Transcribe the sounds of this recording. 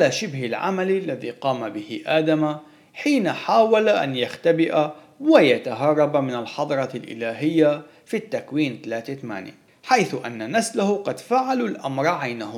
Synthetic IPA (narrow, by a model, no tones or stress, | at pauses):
ʕalaːʃɪbhɪlʕa̰mallːaðḭːqɑːmabɪhɪʔaːd̪ama | ħiːnaħaːwalaʔa̰njaxt̪abɪʔa | wajat̪aɦɑrˤːɑbmɪnalħɑd̪ˤɾˤɑlʔɪ̰laːɦɪjːa | fit̪ːakwiːnt̪alaːt̪et̪ama̰ːnja̰ | ħajθʊʔa̰nːanaslahʊqɑd̪faʕalulʔamɾˤʕajnahʊ